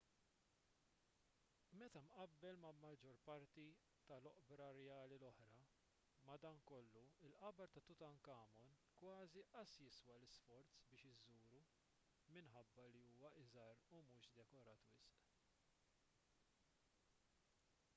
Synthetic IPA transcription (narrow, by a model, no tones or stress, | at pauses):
mɛt̪ɐmʔɐbːɛlmɐmɐd͡ʒɔɾpɐɾt̪i | t̪ɐlɔʔbɾɐɾɛjɐːlilɔħɾɐ | mɐd̪ɐŋkɔlːuɪlʔɐbɐɾt̪ɐt̪ʊt̪ɐnkɐːmɔnkwɐːziʔɐsjɪswɐlɪsfɔɾt͡sbɪːʃɪzuːɾu | mɪnħɐbːɐliuːwɐʔɪzɐɾumuːʃd̪ɛkɔɾɐːt̪wɪsʔ